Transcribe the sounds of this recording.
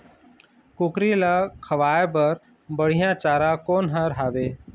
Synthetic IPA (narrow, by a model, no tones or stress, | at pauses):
kʊkɾilakʰəʋaːep̬əɾ | bəɽ̤ijãt͡ʃaːɾãkoːnɦãɾɦaːbeː